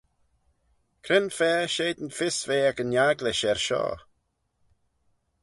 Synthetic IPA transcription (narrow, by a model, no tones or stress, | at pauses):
kʰɾɪnfɛːʃeːd̪ənfɪsveːɛkənjaɡlɪʃɛɹʃɔ̰ː